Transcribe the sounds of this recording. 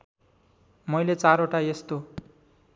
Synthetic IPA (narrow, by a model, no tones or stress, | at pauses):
mʌjlet͡saɾoʈajest̪o